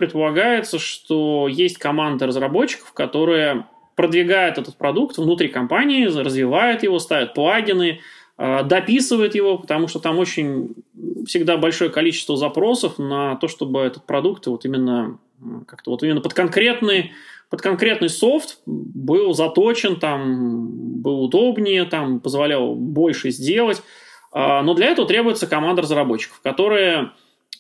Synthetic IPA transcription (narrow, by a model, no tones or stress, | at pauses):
pɾʲɪt̪̚pəlˠɐɡajɪt̪səʂt̪ojesʲtʲkɐmand̪əɾəzrɐbo̞t͡ɕːɪ̥kə̥fkɐt̪o̞ɾɨjə | pɾəd̪vʲɪɡajʊt̪ɛt̪ət̪̚pɾɐd̪ukt̪vnʊt̪ɾʲikɐmpanʲɪɪrəzvʲɪvajʊt̪jɪvo̞st̪avʲɪt̪̚plˠaɡʲɪnɨ | əd̪ɐpʲisɨvəjɪt̪jɪvo̞pə̥t̪ɐmuʂt̪ot̪amot͡ɕɪnʲ | fsʲɪɡd̪abɐlʲʂo̞jəkɐlʲit͡ɕɪ̥st̪vəzɐpɾo̞səfnət̪o̞ʂt̪o̞bɨɛt̪ət̪̚pɾɐd̪ukt̪vo̞t̪imʲɪnːə | kak̚t̪əvo̞t̪imɪnːəpət̪̚kɐnkɾʲe̞t̪nɨjpət̪kɐnkɾʲe̞t̪nɨjso̞ft̪bɨlˠzɐt̪o̞t͡ɕɪnt̪am | bɨlˠʊd̪o̞bnʲɪjət̪ampəzvɐlʲalˠbo̞lʲʂɨzʲdʲe̞lˠətʲ | ano̞d̪lʲɐɛt̪əvət̪ɾʲe̞bʊjɪt̪səkɐmand̪əɾəzrɐbo̞t͡ɕːɪ̥kə̥fkɐt̪o̞ɾɨjə